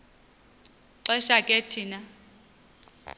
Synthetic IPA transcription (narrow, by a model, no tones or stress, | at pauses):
ǀɛʃakʼetʰiːna